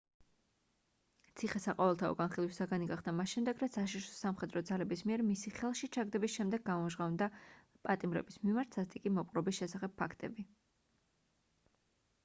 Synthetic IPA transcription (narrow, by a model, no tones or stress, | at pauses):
t̪sʰiχɛsaqʼɔvɛlˠt̪ʰaɔ̰ɡanχilˠwisaɡaniɡaχd̪amasʃɛmd̪ɛɡɾat̪sʰaʃiʃɔ̥samχɛd̪ɾɔd̪zalɛbismiɛɾmisiχɛlˠʃit͡ʃʰaɡd̪ɛbisʃɛmd̪ɛɡːamɔʒʁavnd̪a | pʼat̪ʼimɾɛ̰bismimaɾt̪ʰsast̪ʼikʼimɔpʼɾɔbisʃɛsaχɛp̚pʰːakʰt̪ʼɛ̰bi